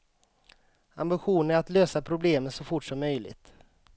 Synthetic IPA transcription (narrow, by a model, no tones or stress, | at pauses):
a̰mbɪɧuːnəæɾat̪løːsapʰɾʊbleːmənsɔfʊʈːʂɔmːœjlɪ̰t̪